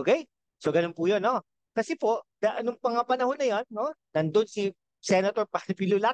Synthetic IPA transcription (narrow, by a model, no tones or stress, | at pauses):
okɛj | soɡɐnonpujonːo̞ | kɐsɛpo̞ʔd̪̥ɐʔɐnʊŋpɐŋapɐnɐhonːɐjonːoːɐnd̪onsi | sɛnɐt̪oɹpɐnɐpilʊla